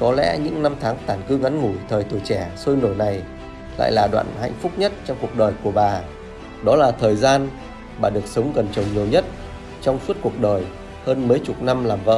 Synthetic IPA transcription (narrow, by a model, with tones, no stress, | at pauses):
kɔ˨˦lɛ̰˧˥ɲɨ̰˧˥ŋna˧mt̪ʰaː˨˦ŋt̪aː˧˩nkɨ˨˦ŋa˨˦nŋu˧˩jt̪ʰəː˨˩jt̪u˧˩t͡ɕɛ˧˩so˧jno˧˩jna˨˩j | la̰ː˧˨jlaː˨˩ɗwa̰ː˧˨nha̰˧˨jŋ̟fʊ˦˥k͡p̚ɲə˦˥t̚t͡ɕɔ˧wŋ͡mku˨˩ək̚ɗəː˨˩jku˧˩əɓaː˨˩ | ɗɔ˨˦laː˨˩t̪ʰəː˨˩jzaː˧n | ɓaː˨˩ɗɨ˨˩ək̚sə˨˦wŋ͡mɣə˨˩nt͡ɕə˨˩wŋ͡mɲi˨˩əwɲə˦˥t̚ | t͡ɕɔ˧wŋ͡mfɨ˦˥ət̚ku˨˩ək̚ɗəː˨˩j | həː˧nməː˨˦jt͡ɕʊ˨˩t̚na˧mlaː˨˩mvə̰˧˨